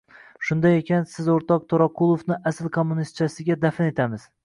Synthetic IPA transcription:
ʃʊnd̪ajekʲʰansɪzoɾt̪ɒq̚t̪ʰoɾɒqʰʊlˠofnɪʔasɪlˠkʰomːunist̪̚t͡ʃʰasɪɡʲad̪afɪne̞t̪ʰamɪz̥

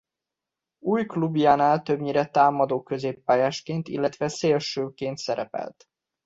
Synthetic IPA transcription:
uːjklubjaːnaːlt̪øbɲiɾɛt̪aːmɒd̪oːkøzeːpːaːjaːʃkeːnt̪ḭlːɛt̪ʋɛseːlʃøːkeːnt̪sɛɾɛ̰pɛ̰lt̪

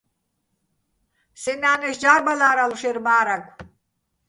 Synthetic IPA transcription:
sɛnaːnɛʃd͡ʒaɾbalaːɾaluʃɛɾmaːɾaɡʷʰ

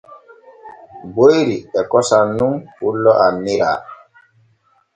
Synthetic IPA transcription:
bojɾiɛkɔsanːumfulːɔʔamːiɾa̰

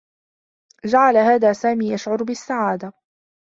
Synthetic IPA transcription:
d͡ʒaʕalahaːðaːsaːmiːjaʃʕʊɾbɪsːaʕaːd̪a

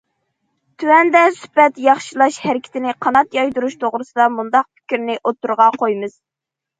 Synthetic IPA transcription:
t̪ʰywɛnd̪ɛsy̥pɛt̪jɑχʃilˠɑʃhæɾɪkʲʰi̥t̪ɪnɪqʰɑnɑt̪jɑjd̪uɾuʃt̪ʰoʁɾɨsɨd̪ɑmund̪ɑq̚pʰi̥kʲɾnɪʔot̪ːuɾʁɑqʰojmɨz̥

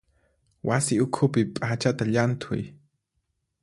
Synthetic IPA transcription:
wasɪʊkʰʊpɪpʼat͡ʃat̪aʎant̪ʰʊ̰j

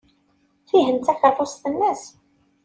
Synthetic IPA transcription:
θiɦənt̪ækəɾˤfost̪ənːəs

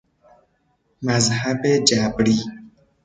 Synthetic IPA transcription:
mazhabed͡ʒabɾi

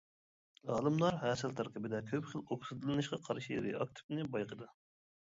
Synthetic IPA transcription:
ɑːlˠɨmlˠɑɾɦɛːsɨlt̪ʰɑɾqʰəbɪd̪ɛkʲʰøpχəloksɨd̪ɨlˠɨnɨʃqɑqʰɑɾʃijḛɾɪ̰ɑk̚t̪ʰɪ̥pnɨbɑjqʰəd̪ɨ

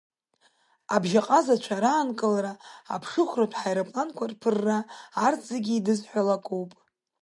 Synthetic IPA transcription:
abʒaqʼazat͡ʃʷʰaɾaːnkʼɨlaɾa̰ːpʰʂɨχʷratʰħajɾapʼlankʷʰarpʰɨrːaːrt͡sʼaɡʲiːdɨzħʷalakʼowpʼ

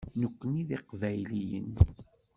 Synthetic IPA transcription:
nəkʷːəniðiqvæjlijə̰n

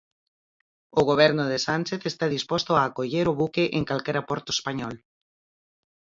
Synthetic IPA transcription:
oɣ̞oβ̞ɛɾnoðesanʲt͡ʃeθest̪aðispɔst̪oaːkoʎeɾoβukeʔeŋkalkɛɾapɔɾt̪oespaɲɔl

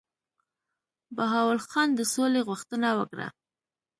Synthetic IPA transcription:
baɦɑwalxɑnd̪əsoleɣʊxt̪ənawə̰kɽa̰

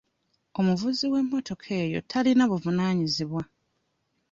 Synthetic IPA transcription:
o̞muvuziwe̞mːo̞to̞kʰe̞ːjo̞̰tʰalinaβuvunaːɲiziβwa

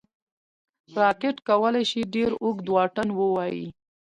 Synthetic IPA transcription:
ɾɑkɪʈkawəlajʃiɖeɾuɡd̪wɑʈənwəwɑjḭ

